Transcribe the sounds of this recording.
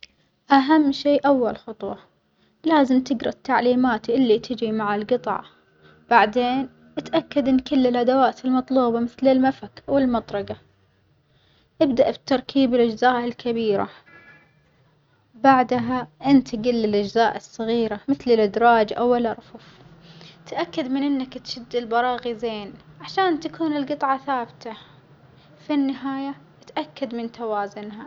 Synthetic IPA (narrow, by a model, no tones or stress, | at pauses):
ʔaɦamːʃeːʔawːalxʊt̪ˤwɑ | laːzɪmt̪ɪɡɾˤɑt̪ːaʕliːmaːt̪iʔɪlːit̪ʰɪd͡ʒɾimaʕalɡɨt̪ˤʕɑ̰ | b̥aʕd̪eːn | ʔɪt̪ʔakːad̪ʔɪnːkɪlːɪlʔad̪awaːt̪ɪlmɑt̪ˤluːbɑmɪθlɪlmafakawɪlmɑt̪ˤɾˤɑɡa | ʔɪbd̪aʔbɪt̪ːɑɾˤkʰiːbɪlʔad͡ʒzaːʔɪlkʰabiːɾa̰ | baʕd̪ɦaʔɪnt̪ɪɡɪlːɪlʔad͡ʒzaːʔɨsˤːɨɣiːɾamɪθlɪlʔɪd̪ɾˤɑːd͡ʒʔawɪlʔɑɾˤfuf | t̪ʔakːad̪mɪnʔɪnːakt̪ʃɪd̪ːɪlbɑɾˤɑːɣizeːnʕaʃaːnt̪akuːnɪlɡɨt̪ˤʕɑθaːbt̪a | finːɪɦaːja | t̪ʔakːad̪mɪnt̪awaːzʊnɦa